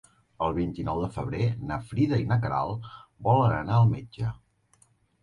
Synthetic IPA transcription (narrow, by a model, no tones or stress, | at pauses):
əlˠβ̞int̪inɔwðəfəβ̞ɾenəfɾiðəinəkəɾa̰lˠbɔlənə̰naəlˠmed͡ʒə